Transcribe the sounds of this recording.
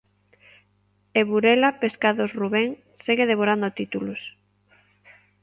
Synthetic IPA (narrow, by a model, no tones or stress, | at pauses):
eβuɾelapeskaðosruβɛŋ | seɣeðeβ̞oɾand̪ʊat̪it̪ulʊs